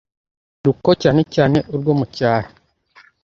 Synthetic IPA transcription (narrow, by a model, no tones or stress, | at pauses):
ɾuko̞caːne̞caːne̞ʔuɾɡoːmucaːɾa